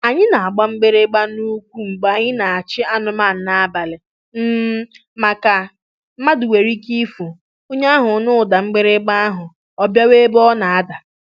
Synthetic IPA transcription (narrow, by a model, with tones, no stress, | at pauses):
a˨ɲɪ˦na˨a˨ɡ͡ba˦ŋ͡m̩˦ɡ͡be˦ɾe˦ɡ͡ba˦nu˦kʷu˦ŋ͡m̩˨ɡ͡ba˨ɲɪ˦na˨a˨t͡ʃɪ˦a˦nʊ˨ma˦˨n̩˨˦na˦a˦˨ba˨lɪ˨ | m̩˦ | ma˨ka˨ | m̩˦ma˦dʊ˨we˨ɾi˦ki˦fu˨ | o˦ɲa˦ɦʊ˨˦nʊ˦˨da˨ŋ͡m̩˦ɡ͡be˦ɾe˦ɡ͡ba˦a˦ɦʊ˨ | ɔ˨bja˦we˦bɔ˦na˨a˦da˨